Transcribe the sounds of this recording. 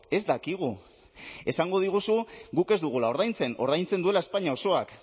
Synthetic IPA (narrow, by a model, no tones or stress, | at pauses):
e̞zd̪akiɣ̞u | e̞saŋɡo̞ð̞iɣ̞usuɣuke̞zd̪uɣ̞ulao̞ɾð̞ajnt͡se̞no̞ɾðajnt͡send̪ue̞lae̞spaɲao̞so̞ak